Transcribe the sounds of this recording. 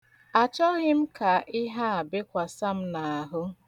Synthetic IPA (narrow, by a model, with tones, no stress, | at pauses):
a˨t͡ʃɔ˦ɣɪ˦m̩˦ka˨ʔɪ˦ɦa˦a˨bɪ˦kʷa˨sa˦m̩˦na˨a˨ɦʊ˦